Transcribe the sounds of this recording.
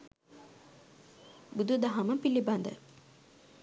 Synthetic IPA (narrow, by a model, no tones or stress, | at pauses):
bud̪ud̪aɦaməpiliband̪ə̰